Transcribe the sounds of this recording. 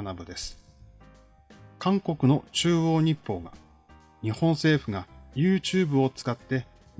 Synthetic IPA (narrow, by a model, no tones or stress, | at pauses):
nabɯ̟d̪e̞sɨ̥ | kãŋko̞kɯ̟no̞t͡ɕɨːo̞ːɲ̟ipːo̞ːɡa | ɲ̟ihõ̞ɰ̃se̞ːɸɯ̟ɡajɯːt͡ɕɨːbɯ̟o̞t͡sɨ̥kat̪ːe̞